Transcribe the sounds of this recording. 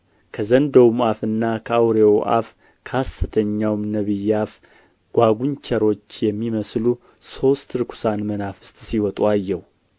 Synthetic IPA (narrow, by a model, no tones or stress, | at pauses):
kʰəzənd̪əwmuafɨnːakʰəawɾewʔa̰f | kʰasːɨt̪ʰəɲːawmnəβɨjːaf | ɡ̥ʷaɡʷunt͡ʃʰɛɾo̞t͡ʃːjɛmːiməslu | so̞st̪ɨɾɨkʰu̥sanmənafɨ̥st̪ʼsiwɔt̪ʼuajːɛhu